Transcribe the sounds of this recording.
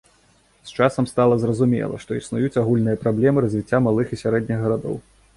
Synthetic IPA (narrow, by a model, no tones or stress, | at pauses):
st͡ʂasɐmst̪alˠɐzrɐzumʲɛ̰lˠɐ̰ʂt̪ɔisnujut͡sʲaɣulʲnɨjɐpɾablʲɛmɨɾɐzʲvʲit͡sʲːamalˠɨxisʲaɾɛd̪ʲnʲiɣɣɐɾad̪ɔ̰w